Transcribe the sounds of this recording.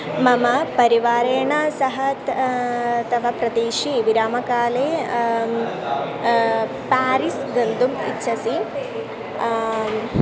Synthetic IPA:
mɐmɐpɐɾiʋaːɾeːɳɐsɐɦɐt̪ | t̪ɐʋɐpɾɐd̪eːʃiʋiɾaːmɐkaːleː | paːɾisɡɐnd̪umḭtːʃʰɐsi

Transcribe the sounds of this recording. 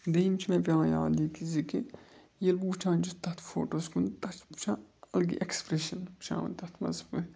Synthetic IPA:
d̪ejimt͡ʃʰimɛ̃pʲjãːja̰ːlikiziki | jelbuːt͡ʃʰãːnd͡ʒut̪ɐt̪ʰfo̰ːʈoːskunt̪ɐt͡ʃpt͡ʃʰãːɐlɡḭʔekspɾeʃɐnpt͡ʃʰã̰ːʋɐ̰nt̪ɐt̪ʰmɐ̰zbu

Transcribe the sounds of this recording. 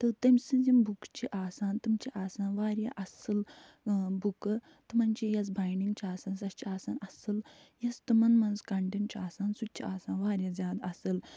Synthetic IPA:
t̪ɨt̪emsĩd͡zimbukt͡ɕiʔaːsaːnt̪umt͡ʃiʔaːsaːnʋaːɾja̰ʔɐsəl | bukə | t̪ɨmɐnt͡ʃijɐs̬bajniŋɡt͡ɕiaːsaːnsɐst͡ʃiaːsaːnɐsəljɐst̪umɐnmɐnzkaɳʈeɳt͡ɕiaːsaːnsud̪̚t͡ɕʰiaːsaːnʋaːɾjazʲjaːd̪asəl

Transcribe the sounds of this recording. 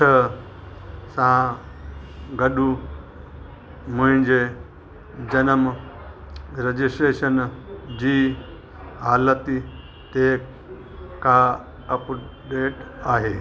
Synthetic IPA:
ə | sã | ɡɐɖu | mũnd͡ʑe | d͡ʑɐnəm | ɾɐd͡ʑisʈɾeːʃɐnd͡ʑiː | ɦaːlɐt̪i | t̪eː | ka | ɐpɖeːʈaːɦeː

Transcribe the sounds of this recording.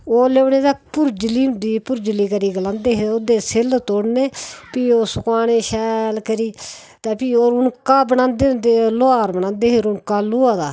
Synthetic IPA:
oːleːʊneːd̪aːpʊɾd͡ʒliːʊnd̪iːpʊɾd͡ʒliːkəɾiːɡəlãːnd̪eːɦeod̪eːsɪlt̪oːɽneːpiːoːsʊkaːneːʃɛːlkəɾiː | t̪aːpiːoːɾʊnkaːbənãːnd̪eːd̪eloaːɾbənãːnd̪eːɦeɾʊnkaːlʊaːd̪aː

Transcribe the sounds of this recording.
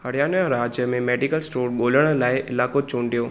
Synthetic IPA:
hɐɽjaːnɾaːd͡ʒjəmẽmɛːɖikəlsʈoːɾɠoːləɽ̃laːɪʔɪlaːkot͡ʃõːɳɖijoː

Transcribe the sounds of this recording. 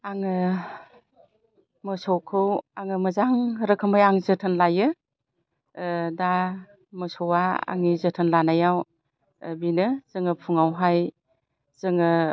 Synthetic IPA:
aŋɯ | mɯsɔwkʰɯwaŋɯmɯzaŋɾɯkʰɯmɯjaŋzɯtʰɯnlajɯ | da | məsɔwaa̰ŋizətʰɯnlanajaw | binɯz̥ɯŋɯpʰuŋawɦaj | z̥ɯŋɯ

